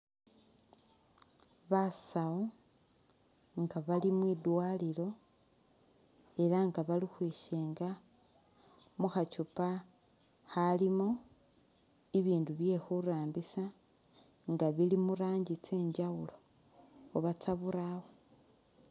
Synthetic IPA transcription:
βasao | ŋɡaβalimwidwalilo̞ | e̞laŋɡaβalixwiːʃeːŋɡa | muxat͡ʃupa | xalimo̞ | iβiːnduβje̞xuɾaːmbisa | ŋɡaβilimuɾaːɲɟit͡se̞ːɲɟawulo̞ː | βat͡saβuɾawo

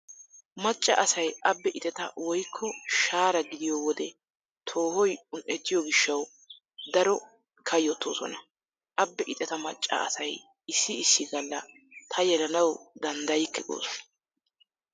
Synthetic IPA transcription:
mɐt͡ʃʼːɐ̰ʔɐsɐjʔɐbːɛʔɪt̪ʼɛt̪ɐ̰wɔjkʰːɔʃaːɾɐɡɪd̪ɪjɔwɔd̪ɛ | t̪ʰo̞ːhɔjʊnʔɛt̪ːɪjɔɡɪʃːɐw | d̪ɐɾɔ | kʰɐjɔt̪ʰːo̰ːsɔ̰nɐ | ʔɐbːɛʔɪt̪ʼɛt̪ɐmɐt͡ʃʼːɐ̰ɐ̰sɐj | ɪsːɪɪsːɪɡɐlːɐ | t̪ʰɐjɛlɐnɐwd̪ɐnd̪ɐjɪkːɛɡo̰ːsɔ̥

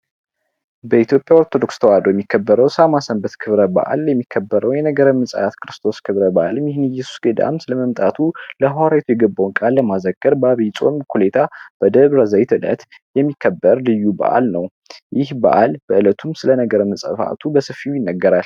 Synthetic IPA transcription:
bəit̪jo̞pʼjawoɾt̪ʰo̞d̪o̞kst̪ʰəwad̪ojɛmːikʰːəbːəɾəwsamasəmbət̪kʰɨβɾəba̰ʔa̰ljɛmːikʰːəbːəɾəwjɛnəɡəɾəmːɨsʼa̰at̪kʰɨɾɨst̪ʰo̞skʰɨβɾəbaʔalɨmjɪhɨnjɛsu̥sɡəd̪a̰msɨləməmt̪ʼat̪ʰuləhwaɾajt̪ʰujɛɡəbːawnkʼalːəmazəɡəɾbəaβjt͡sʼo̞̰mkʰulet̪ʰab̥əd̪əβɾəzəjt̪ʰɨlə̰t̪ | jɛmːikʰːəbːəɾlɨjːuba̰ʔa̰lnəw | jɪhba̰ʔalb̥əɨlət̪ʰumsɨlənəɡəɾəmːɨsʼəfʔa̰t̪ʰubəsɨfiujɪnːəɡːəɾal

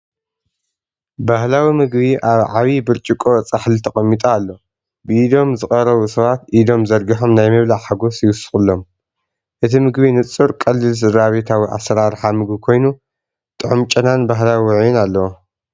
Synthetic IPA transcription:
bahlawimɨɡβiʔaβʕaβibɨɾt͡ʃʼikʼot͡sʼaħlɨt̪ʰɐχʼɐmːit̪ʼaːlːo̞ | bɨid̪o̞mzɨxʼɐɾɐβusɐβat̪ʔid̪o̞mzɐɾɡiħo̞mnajmɐβlaħaɡo̞sjɪwʊsɨ̥xʼɨlːo̞m | ʔɨt̪ʰimɨɡβinɨt͡sʼɨɾkʼɐlːɨlsɨd̪aβet̪ʰawiʔa̰sɐɾaɾħamɨɡbikʰo̞jnu | t̪ʼɨʕumt͡ʃʼɐnanbaɦlawiʕjunalːɐwo

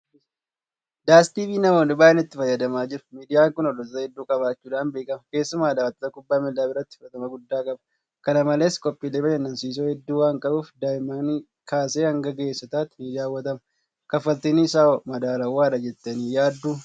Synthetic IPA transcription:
d̪aːst̪iːbiːnɐmoːnʊbaːʔɛnɪt̪ːɪfɐjːɐd̪ɐmaːd͡ʒɪɾʊ̥miːd̪ɪjaːŋkʊnɔd̪ɔt̪t̪ɐhɛd̪ːuːkʼɐbaːt͡ʃːuːᶑ̪aːnbe̞ːkʼɐmɐke̞ːsːʊmaːd̪aːwɐt̪ːɐt̪ɐkʊbːaːmɛlːaːbɪɾɐt̪ːɪ̥fɪɾɐt̪ɐmɐɡʊd̪ːaːkʼɐbɐ̥ | kɐnɐmɐle̞ːskʼɔpʼːiːleːbɐd͡ʒɐnːɐnsiːs̬oːhɛd̪ːuːwaːŋkʼɐbuːfd̪aːjɪmaːni | kaːseːhɐŋɡɐɡeːsːɐt̪aːt̪ɪniːd̪ɪjaːwːɐt̪ɐmɐ | kɐfɐlt̪ɪnɪsaːɔmɐd̪aːlɐwaːᶑɐd͡ʒɛt̪ːɐniːjaːd̪ːuː

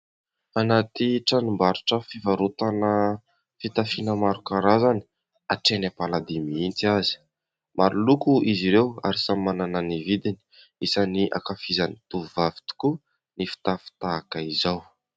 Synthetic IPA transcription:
anat̪iʈ͡ʂanumbaɾuʈ͡ʂəfivaɾut̪anə | fit̪afinəmaɾukaɾazani̥ | aʈ͡ʂenapalad̪imiint͡siazi̥ | maɾulukuʔiziɾewa̰ɾisammanananivid̪ini̥ | isaniʔa̰kafizanit̪uvavi̥t̪u̥ku | nifi̥t̪afi̥t̪aakaizaw

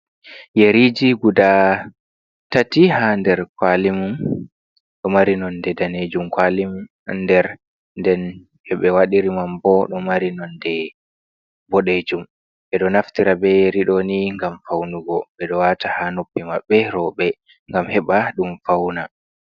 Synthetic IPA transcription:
jeɾid͡ʒiɡuda | tatihandɛɾkwalimum | ɗɔmaɾinɔndɛdaned͡ʒumkwalimum | ndɛɾ | ndɛn | ɛɓɛwaɗiɾimambɔɗɔmaɾinɔndɛ | bɔɗed͡ʒum | ʔɛɗɔnaftiɾabɛjeɾiɗɔniŋɡamfawnuɡɔɓɛɗɔwatahanopːimaɓɛɾɔɓɛ | ŋɡamhɛɓaɗumfawna

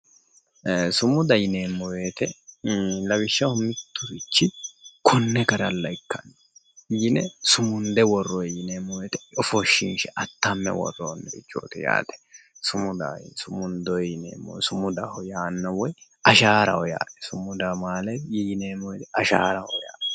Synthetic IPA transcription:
sʊmʊd̪ɐjɪne̞ːmːɔweːt̪ɛ | lɐbɪʃːɐhʊmɪt̪ːʊɾɪt͡ʃːɪkʰɔnːɛkɐɾɐlːɐɪkːɐn | jɪnɛsʊmʊnd̪ɛwɔrːɔjjɪneːmːɔweːt̪ɛɔfɔʃːɪnʃɛʔɐt̪ːɐmːɛ̰wɔ̰rːoːnːɛbɪt͡ʃːo̰ːt̪ɛja̰ːt̪ɛ̥sʊmʊd̪a̰sʊmʊnd̪ɔjɪnḛːmːɔ̰sʊmʊd̪ahɔjaːnːɐwɔj | ɐʃaːɾɐwɔja̰ːt̪ɛ̥sʊmʊd̪amaːlɐjjɪneːmːɔwɛt̪ɛɐʃa̰ːɾɐwɔja̰ːt̪ɛ

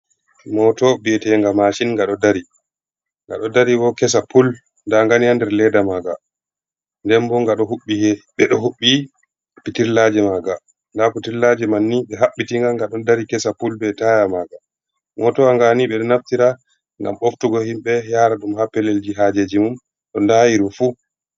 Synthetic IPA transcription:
mɔtɔbiɛtɛŋɡamaʃinŋɡaɗɔdaɾi | ŋɡa̰ɗɔdaɾiwɔkɛs̬apul | ndaŋɡanihandɛɾlɛdamaɡa̰ | ndɛmbɔŋɡaɗɔɦuɓːihɛɓɛɗɔɦuɓːi | ppitiɾlad͡ʒɛmaɡa | ndaputiɾlad͡ʒɛmanːiɓɛɦaɓːitiŋɡaɡaɗɔndaɾikɛsapulbɛtajamaɡa | ŋɔtɔaŋɡaniɓɛɗɔnaftiɾa | ŋɡa̰moftuɡɔhimɓɛjaɾaɗumhapːɛleld͡ʒiɦad͡ʒed͡ʒimum | ɗɔndajiɾufu

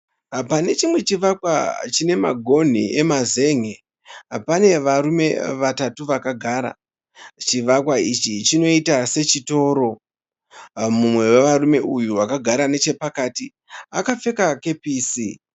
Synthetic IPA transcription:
pane̞t͡ʃimwe̞t͡ʃiʋakwa̰t͡ʃine̞ma̰ɡʱo̞n̤ḭʔe̞maze̞ŋe | apane̞ʋaɾume̞̰ʋatatuʋakaɡʱaːɾa̰ | t͡ʃiʋakwait͡ʃit͡ʃino̞itase̞t͡ʃito̞ɾo̞ | mumwe̞weʋaɾume̞ujuʋakaɡʱaɾane̞t͡ʃe̞pakaːti | akafe̞kake̞piːsi

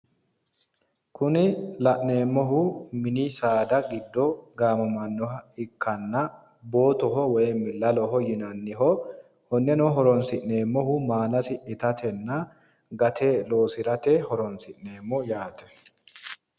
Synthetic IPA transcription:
kʊnɪlɐʔneːmːɔɦʊmɪnisaːd̪ɐɡɪd̪ːɔɡaːmɐmɐnːɔɦɐɪkːɐnːɐ | bo̞ːt̪ɔɦɔwɔjɛmɪlːɐlɔɦɔjɪnɐnːɪɦɔ | hɔnːɛnɔɦɔɾɔnsɪʔne̞ːmːɔɦʊmaːlɐsɪʔɪt̪ɐt̪ʰɛnːɐ | ɡɐt̪ʰeːlo̞ːsɪɾɐt̪ehɔɾɔnsɪʔne̞ːmːɔjaːt̪ɛ̥

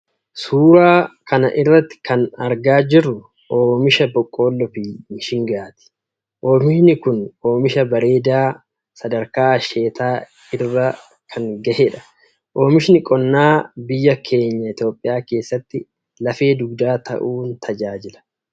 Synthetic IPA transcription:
suːɾaːkʰɐnɐ̰ʔɪrːɐt̪ːɪ̥kʰɐnɐɾɡaːd͡ʒɪrːʊ | o̞ːmɪʃɐbɔkʼːo̞ːlːɔfiːɪnʃɪŋɡaːt̪ɪ̥ | ʔo̞ːmɪʃnɪkʊno̞ːmɪʃɐbɐɾe̞ːd̪aː | sɐd̪ɐɾkaːɐʃe̞ːt̪aː | ɪrːɐ | kʰɐŋɡɐheᶑɐ̥ | ʔo̞ːmɪʃnɪkʼɔnːaːbɪjːɐkʰe̞ːɲːɐɪt̪jo̞ːpʼːɪjaːke̞ːsːɐt̪ːɪ | lɐfe̞ːd̪ʊɡd̪aːt̪ʰɐ̰ʔuːnt̪ʰɐd͡ʒaːd͡ʒɪlɐ̥

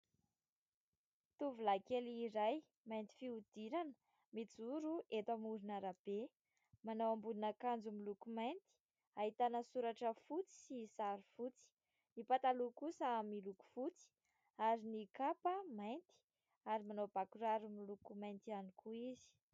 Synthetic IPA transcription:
t̪uvulakeliːɾaj | majnt̪i̥fiud̪̥iɾanə̥ | mit͡suɾuʔet̪amuɾunaɾab̥e | manowambulinakand͡zumilukumajnt̪i̥ | aɦit̪anəsuɾaʈ͡ʂəfut͡si̥sisaɾufut͡si̥ | nipat̪alukusəamiluku̥fut͡si̥ | aɾinikapəmajnt̪i̥ | aɾimanob̥akuɾaɾumilukumajnt̪ianikʰuizi̥

